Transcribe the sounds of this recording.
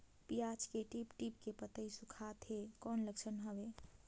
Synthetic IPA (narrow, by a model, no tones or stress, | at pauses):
pijat͡ʃkeʈipʈip̚kepət̪əisukʰat̪ʰɦekɔːnləkt͡ʃʰənɦəbe